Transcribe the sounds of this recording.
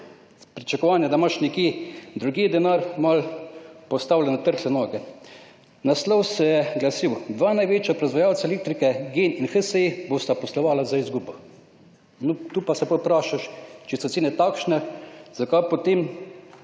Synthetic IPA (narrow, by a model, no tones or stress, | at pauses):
pɾit͡ʃakɔʋaːnjɛd̪amaʃnɛkjed̪ɾuɡiːd̪ɛnaɾmalpɔst̪aːwlʲɛnɛt̪əɾslɛnɔːɡɛ | naslɔwsɛjɛɡlasiwd̪ʋaːnajʋeːt͡ʃjapɾazʋajaːwtsalek̚t̪ɾikɛɡeninxəsəiboːst̪apɔslɔʋaːlazaizɡuːbɔ | nɔt̪uːpasɛpɔwpɾaːʃaʃt͡ʃisɔseːnɛt̪akʃnɛz̥akajpot̪em